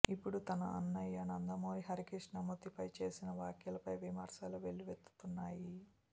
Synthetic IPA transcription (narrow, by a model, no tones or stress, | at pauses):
ipːuɽut̪ɐnɐɐ̰nːɐjiɐnɐnd̪ɐmoːɾiɦɐɾikiʂnɐmut̪ipɐjt͡ʃe̞ːsinɐʋaːkjɐlɐpɐjʋimɐɾsaːluʋe̞ɭːiʋet̪ːu̥t̪unːaːji